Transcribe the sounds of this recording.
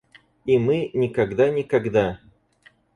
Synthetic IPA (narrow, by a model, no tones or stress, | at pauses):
imɨnʲɪkɐɡd̪anʲɪkɐɡd̪a